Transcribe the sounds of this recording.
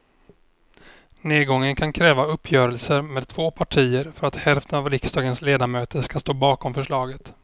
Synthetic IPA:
neːd̪ɡɔŋːənkʰankʰɾɛːvaɵpʰːjœːɾəlsəɾmeːd̪̚t̪ʰvoːpʰaʈʰiːəɾfœɾat̪hɛlft̪ʰənavɾɪksd̪ɑːɡənsleːd̪amøːt̪əʂkast̪oːbɑːkɔmfœʂɭɑːɡət̪

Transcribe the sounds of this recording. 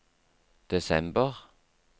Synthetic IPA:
d̪̥ɛsɛmbəʁ

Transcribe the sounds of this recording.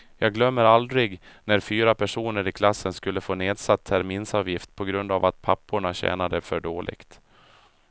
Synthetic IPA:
jɑːɡlœmːəɾald̪ɾɪɡnæɾfyːɾapʰæʂuːnəɾɪkʰlasːənskɵlːəfoːneːd̪sat̪ʰːæɾmiːnsɑːvjɪft̪̚pʰɔɡɾɵnd̪avat̪̚pʰapːʊɳaɕɛ̰ːnad̪əfœɖoːlʔɪ̰kt̪

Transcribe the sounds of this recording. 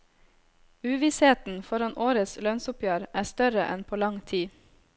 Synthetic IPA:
ʉːʋiːsheːt̪n̩fɔɾɑnʔoːɾəslœnsʊpjøːɾʔæːst̪œɾəʔɛnpʰoːlɑŋt̪ʰiː

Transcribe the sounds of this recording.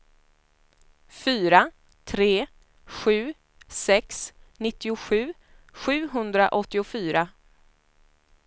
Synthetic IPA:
fyːɾa | t̪ʰɾeː | ɧʉ̟ː | sɛksnɪt̪ːɪʊɧʉ̟ː | ɧʉ̟ːɦɵnd̪ɾa̰ʔɔt̪ːɪʊfyːɾa

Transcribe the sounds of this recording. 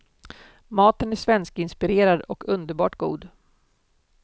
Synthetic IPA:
mɑːt̪ənæʂvɛnskɪnspɪɾeːɾad̪ɔkʰɵnd̪əɾbɑ̰ːʈɡṵːd̪

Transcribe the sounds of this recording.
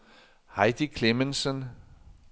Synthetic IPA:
hɑɪd̥ikʰlemənsən

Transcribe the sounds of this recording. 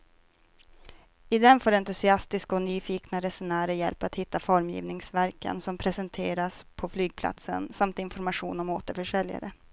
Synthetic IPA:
ɪd̪ɛnfoːɖɛnt̪ɵsɪast̪ɪskaɔnyːfiːknaɾɛsʊnæːɾəjɛ̰lpat̪hɪt̪ːafɔɾmjḭːvnɪŋsvæɾkə̰nsɔmpʰɾɛsɛnt̪ʰeːɾaspʰɔflyːɡ̚pʰla̰t̪sə̰nsamt̪ɪnfɔɾmaɧuːnɔmoːt̪əɾfœʂɛlja̰ɾə

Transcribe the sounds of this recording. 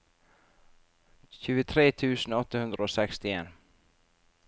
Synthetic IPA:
ɕʉ̟ːɡət̪ʰɾeːt̪ʰʉ̟ːsənɔt̪ːahɵnd̪ɾaɔsɛkst̪ɪeːn

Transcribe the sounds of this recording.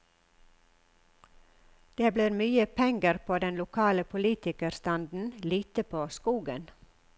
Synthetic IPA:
d̪̥eːbliːɾmyːəpʰɛŋɡəɾpʰoːd̪ɛnlʊkʰɑːləpʰʊliːt̪ɪkəɾst̪ɑnd̪n̩liːt̪əpʰoːskuːɡən

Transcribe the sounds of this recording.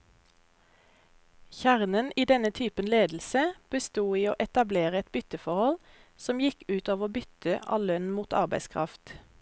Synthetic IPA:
çæʁnəniːd̪ɛnət̪ʰyːpənleːd̪l̩səb̥əst̪uːiːoːʔɛt̪ɑbleːʁəɛt̪̚bʏt̪əfɔʁhɔl | sɔmjɪkʉːt̪ɑːʋʁoːbʏt̪əʔɑ̰ːllœnmuːt̪ɑ̰ʁbæɪskʰʁɑ̰ft̪

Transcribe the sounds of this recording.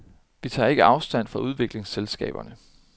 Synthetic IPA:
ʋit͡sʰɑ̰̈ːe̝ɡ̥əʔɑ̈ʊsd̥æn̰fʁɑ̈ʔuð̞ˠʋe̝ɡ̥le̝ŋselsɡ̥ɛ̰ːb̥ɐnə

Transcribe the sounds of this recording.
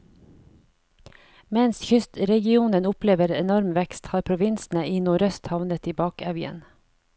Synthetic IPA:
mɛnsçʏst̪ɾɛɡɪuːnənʊpleːʋəɾɛnɔɾmʋɛkst̪hɑːɾpʰɾʊʋɪnsn̩əiːnuːɾœst̪hɑʋnət̪iːbɑːkɑʋjə̰n

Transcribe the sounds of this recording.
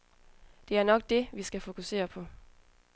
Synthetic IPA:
d̥e̝æɐnɒ̽ɡ̥̚d̥e̝ʋisɡ̥æfo̝kʰuse̝̰ːɐpʰɒ̽

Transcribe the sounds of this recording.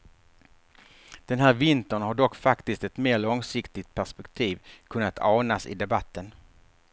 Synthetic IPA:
d̪̥ɛnɦæːɾvɪnt̪əɳhaɖɔkːfakt̪ɪst̪ɛt̪meːɭɔŋsɪkt̪ɪt̪̚pʰæʂpɛkt̪ʰiːvkʰɵnːat̪ʰɑːnasɪ̰d̪ɛbat̪ʰːən

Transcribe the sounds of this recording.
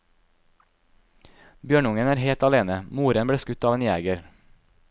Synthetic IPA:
bjøːɳʊŋənæːɾheːlt̪ɑleːnəmuːɾənbɽeːskʉt̪ɑːʋeːnjæ̰ːɡəɾ

